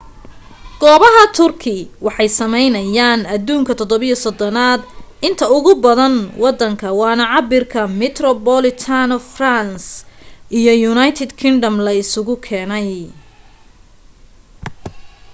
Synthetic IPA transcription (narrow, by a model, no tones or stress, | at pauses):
ɡ̥ɔːβɐɦɐt̪ʰʊrkʰɪwɑħɑjsɐmɛjnɐjaːnɐd̪uːŋkʰɐt̪ʰɔd̪ɔβijɔsɔd̪ɔnaːd̪ɪnt̪ʰɐʊɣʊbɐðɐnwɑd̪ːɐŋkʰɐwɑːnɐʕɑbɪrkʰɐmɪt̪rɔbɔlɪt̪ʰanɔfransʔijɔjʊnajt̪ʰɛd̪kʰɪnɖɐmlɐɪsʊɣʊkʰɛːnɛj